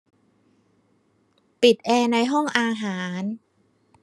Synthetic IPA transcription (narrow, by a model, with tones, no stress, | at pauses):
pi˨˩t̪̚ʔɛː˧na˧jɦɔ˥˩ŋʔaː˧ɦaː˩˦n